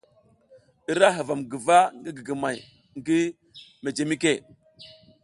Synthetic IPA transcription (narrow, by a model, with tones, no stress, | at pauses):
i˦ɾa˦ɦə˨va˨mɡi˨va˦ŋɡi˦ɡi˨ɡə˨ma˨j | ŋɡi˦ | me˨d͡ʒe˨mi˦ke˦˨